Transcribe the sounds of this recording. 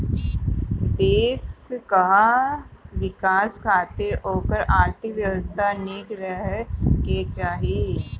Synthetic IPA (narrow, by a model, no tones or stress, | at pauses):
d̪eːskaɦa | ʋɪkaːskʰaːt̪eɾoːkəɾʔaːɾt̪ʰɪkʋjəʋəst̪ʰaneːkɾəɦket͡ʃaːɦieː